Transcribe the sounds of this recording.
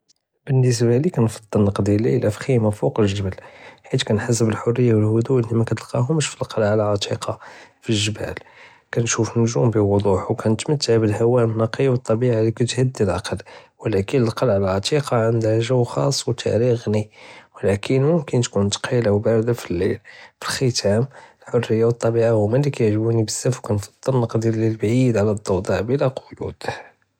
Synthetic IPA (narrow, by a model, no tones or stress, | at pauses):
bənːəs̬balikænfɑd̪ˤːəlnɑqd̪jlḭlʔæfximafuqləʒəbælħit̪kænħas̬əbəlħorːəjːawəlhʊd̪uʔnimækæt̪əlqɑɦʊməʃfilqʰɑlʕalʕɑt̪ˤʰiqʰɑfilʒəbæ̰l | kænʃufənːʊʒumbiwʊd̪ˤuħwkʰænət̪mət̪ːəʕbəlhæwæʔnːɑqijwət̪ˤːɑbiʕalikæt̪həd̪ːilʔɑqəlwəlækənəlqɑlʕəlʕɑt̪iqɑʕənd̪hæʒəwxɑ̰sˤːwt̪ʰæ̰ɾiɣniwlækʰənmʊmkənt̪kunt̪qilawbæɾd̪afilːḭlfilxət̪ʰæməlħorːəjːawət̪ˤːɑbiʕahʊmælːikæjəʕʒbunibəsːæfwkænfɑ̥d̪ˤːəlnəqd̪iɾləlbʕid̪ʕalæd̪ˤːɑwd̪ˤɑʕbəlæqʰojṵd̪̥